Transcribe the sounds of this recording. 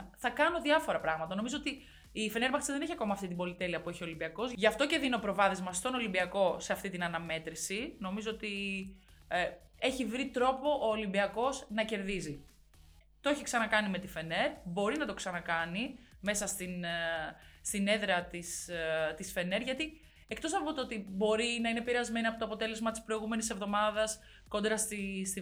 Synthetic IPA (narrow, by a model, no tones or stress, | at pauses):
θɐkɐno̞ðiɐfo̞ɾɐpɾɐɣmɐt̪ɐno̞mizoot̪i | ife̞ne̞ɾmɐxɾisiðeneçiɐko̞mɐːft̪it̪ibo̞lit̪e̞liɐpue̞çiolimbiɐko̞zʝɐft̪o̞ce̞ðineopɾo̞vɐθezmɐst̪ono̞limbiɐko̞se̞ɐft̪it̪inɐnɐme̞t̪ɾisino̞mizo̞ot̪i | e̞çivɾit̪ɾo̞po̞ʔoːlimbiɐko̞znɐce̞ɾðizi | t̪oeçiksɐnɐkɐnime̞t̪ife̞ne̞ɾbo̞ɾinɐt̪o̞ksɐnɐkɐnime̞sɐst̪in | st̪ine̞ðɾeɐt̪ist̪isfe̞ne̞ɾʝɐt̪i | e̞k̚t̪o̞sɐpo̞t̪oot̪ibo̞ɾinɐinepiɾeɐzme̞niɐpot̪oɐpo̞t̪e̞le̞zmɐt̪ispɾo̞iɣume̞nise̞vðo̞mɐðɐs | ko̞nd̪ɾɐst̪isi